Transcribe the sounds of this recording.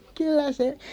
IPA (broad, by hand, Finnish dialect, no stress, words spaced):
kylˑæ se